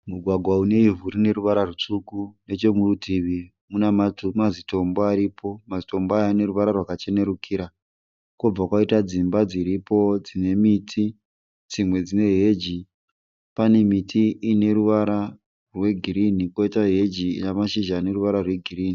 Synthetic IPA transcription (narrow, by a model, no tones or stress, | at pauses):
muɡʱwaɡʱwaune̞ivuɾine̞ɾuʋaɾarut͡ʂukune̞t͡ʃo̞murutʰiʋi | munamaumazito̞mboaɾipo̞mazito̞mboajaːne̞ɾuʋaɾarwakat͡ʃe̞ne̞ɾukʰiɾa | kob͡vakwaitad͡zimbad͡ziɾipo̞d͡zine̞mitʰi | d͡zimwe̞d͡zine̞ɦe̞d͡ʒi | pane̞mitʰiːne̞ɾuʋaɾa | rwe̞ɡʱiɾinikwoitaɦe̞d͡ʒḭːnamaʃiʒaːne̞ruʋaɾarwe̞ɡʱiriːni